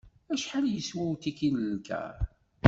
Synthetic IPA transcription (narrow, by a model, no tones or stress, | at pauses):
æʃħaljəswæwt̪ikiləːkæ̰